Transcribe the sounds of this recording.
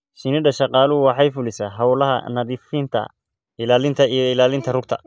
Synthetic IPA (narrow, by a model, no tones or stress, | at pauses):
ʃɪnɪɖɐʃɑqɑːlʊʊwɑħɑjfʊlɪsaːɦɐwlɐɦɐ̰nɐðifint̪ʰɐ̰ | ɪlaːlɪnt̪ʰɐijɔɪlaːlɪnt̪ʰɐrʊɡ̚t̪ʰɐ̰